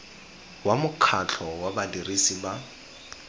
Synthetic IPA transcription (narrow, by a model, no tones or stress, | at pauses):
wamʊkʰat͡ɬʰɔwabadirisiba